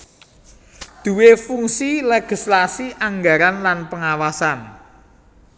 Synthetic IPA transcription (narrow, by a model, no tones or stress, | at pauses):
d̪̥ṳwefuŋsileɡ̥i̤slasiʔaŋɡaɾanlanpəŋawasan